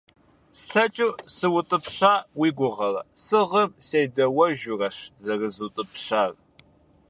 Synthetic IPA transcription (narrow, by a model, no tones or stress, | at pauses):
sɬɐt͡ʃʼusɨwʊtʼɨpɕaːwiːɡʷʊʁɐrɐ̰sɨʁɐmseːjdɐwɐʒʊrɐɕzɐrɨzutʼɨpɕaːr